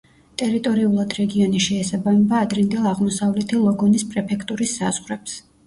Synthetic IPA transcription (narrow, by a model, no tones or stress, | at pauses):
t̪ʼɛɾit̪ʼɔɾiulˠad̪ɾɛɡiɔniʃɛːsabamɛbaːd̪ɾind̪ɛlˠaʁmɔsavlɛt̪ʰilˠɔɡɔnispʼɾɛpʰɛkʰt̪ʼuɾisːazʁɾɛps